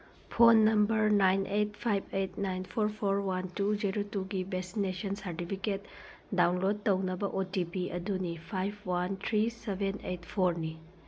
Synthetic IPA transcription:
pʰonːɐmbɐɾnajnʔet̚pʰajbʰetnajnpʰoɾpʰoɾwantud͡ʒiɾotuɡibesinesɐnsɐɾtipʰiket | dawnlod̚tɐwnɐbɐʔotipiɐdunipʰajbʰwantʰɾisebʱenejtpʰoɾni

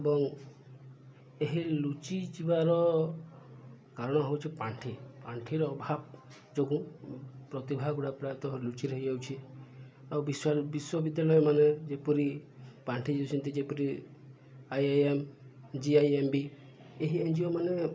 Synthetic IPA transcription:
ebɔŋ | eɦilut͡ʃid͡ʒibaɾɔ | kaɾɔɽ̃ɔɦewt͡ʃʰipaɳʈʰipaɳʈʰiɾɔːbʱab̚ | d͡ʒoɡũpɾɔt̪ibʱaɡuɽapɾajt̪ɔɦɔɾilut͡ʃiɾeɦid͡ʒawt͡ʃʰi | awbiswabiswɔbid̪jalɔjɔmaned͡ʒepɔɾipaɳʈʰid͡ʒiut͡ʃʰɔnt̪id͡ʒepɔɾi | ajajem | d͡ʒiajembi | eɦiẽnd͡ʒiɔmane

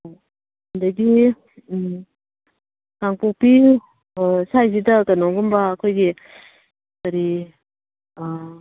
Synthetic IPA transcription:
ndaɡi | kaŋpuk̚pi | sajzidɐkanɔŋɡɯmbaːkʰojɡi | kaɾi

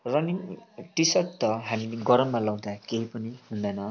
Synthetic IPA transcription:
rʌniŋʈisʌtt̪ʌɦamileɡʌɾʌmːalʌwd̪akeɦipʌniɦund̪anʌ

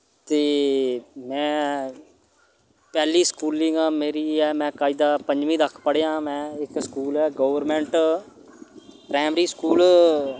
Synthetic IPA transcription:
t̪eː | mɛ̃ː | pɛːliːskuːlĩŋɡãːmeːɾiːɛːmɛ̃ːkaːiːd̪aːpəɲd͡ʒʋĩːd̪əkʰpəɽejãːmɛ̃ːɪkskuːlɛːɡoːʋəɾmɛ̃ːɳʈ | pɾɛːmɾiːskuːl

